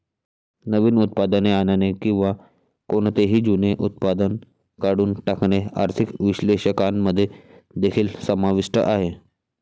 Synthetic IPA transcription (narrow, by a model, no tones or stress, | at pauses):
nəʋiːnut̪̚pad̪əneananekĩw̃ʋa | koɳt̪eɦiːd͡ʑuneʔut̪̚pad̪ən | kaɽuːnʈakɳea̰ɾt̪ʰikʋiɕleɕəkanməd̪ʱːjed̪ekʰiːlsəmaʋiʂʈə̰ʔaɦe